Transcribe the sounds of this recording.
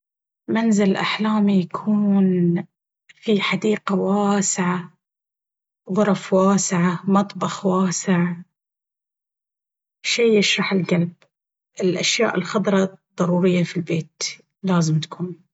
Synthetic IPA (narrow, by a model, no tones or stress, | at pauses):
manzɪlʔa̰ħlaːmijakʰuːn | fiħad̪iːqawaːsɪʕa | ðˤʊɾˤfwaːsɪʕamɑt̪ˤbɑxwaːsɪʕ | ʃijːɪʃɾˤɑħɪlɡalb | ʔɪlʔaʃja̰ːʔɪlxɑd̪ˤɾˤɑd̪ˤːɑɾˤuːɾɪjːafilbeːt̪ | laːzɪmt̪ḁkʰuːn